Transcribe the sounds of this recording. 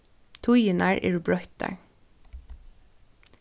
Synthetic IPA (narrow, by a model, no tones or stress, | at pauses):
t̪ʰujənæːɹʔḛːɹbɹœʏt̪̚d̪æ̰ːɹ